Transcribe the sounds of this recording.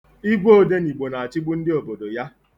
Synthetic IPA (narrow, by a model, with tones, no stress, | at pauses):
i˦ɡʷo˦˨de˦ni˨ɡ͡bo˨na˨a˨t͡ʃɪ˦ɡ͡bu˦n̩˦dɪ˦o˨bo˨do˨ja˦